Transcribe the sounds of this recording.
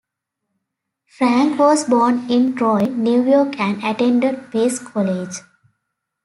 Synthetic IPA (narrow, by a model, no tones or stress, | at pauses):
fɾæ̃ŋkʋɔːzbɔːɾnɪ̃nʈɾɔɪnjuːjɔːɾkʰæ̃ɳɖæʈẽɳɖəɖpeːskʰɔled͡ʒ